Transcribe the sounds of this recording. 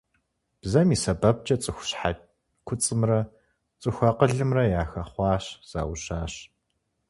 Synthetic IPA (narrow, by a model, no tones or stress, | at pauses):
b̥zɐmiːsɐbɐb̚t͡ʃʼɐt͡sʼɨxʷʊ̥ɕħa | kʷʰʊt͡sʼɨmrɐ | t͡sʼɨxʷɐqəɮɨmrɐjaːxɐχʷɑːɕz̥a̰ːwɕaːɕ